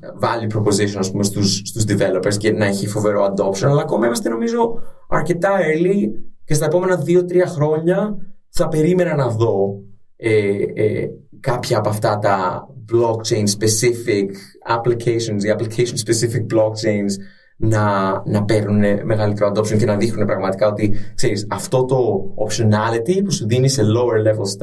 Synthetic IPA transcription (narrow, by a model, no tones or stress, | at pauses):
vɐlipɾo̞po̞ziso̞nɐspumest̪usːt̪uzd̪ive̞lo̞peɾsce̞nɐeçifo̞ve̞ɾo̞ɐnd̪o̞psio̞nɐlɐːko̞mɐimɐst̪e̞no̞mizo̞ | ɐɾce̞t̪ɐelice̞st̪ɐe̞po̞me̞nɐðio̞t̪ɾiɐxɾo̞ɲɐ | θɐpe̞ɾime̞nɐnɐðo̞ | ḛ | kɐpçɐːpoɐft̪ɐt̪ɐblokt͡ʃejnspe̞sifik | ɐplicejsonsiɐplikejsonspesifik̚blokt͡ʃejns | nɐnɐpe̞ɾnune̞me̞ɣɐlit̪eɾoɐnd̪o̞psoŋcenɐðixnune̞pɾɐɣmɐt̪i̥kɐo̞t̪ikse̞ɾisɐft̪o̞t̪o̞ːpʃionɐlit̪ipusuðinise̞lo̞weɾlefost̪